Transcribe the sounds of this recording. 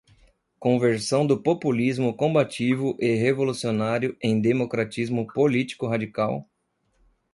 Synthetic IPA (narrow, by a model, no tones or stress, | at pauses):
kõveɾsɐ̃w̃d̪ʊpopulizmʊkõbat͡ʃivʊʔɪɦevolusionaɾjʊẽj̃d̪emokɾat͡ʃizmʊpolit͡ʃi̥kʊɦad͡ʒikaw